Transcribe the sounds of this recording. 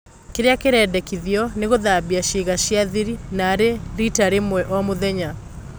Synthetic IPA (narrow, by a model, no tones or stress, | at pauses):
keɾeakeɾɛdɛkiðjɔneɣoðabiaʃiɣaɕjaðiɾinaɾeɾitaɾemwɛʔɔmoðɛɲa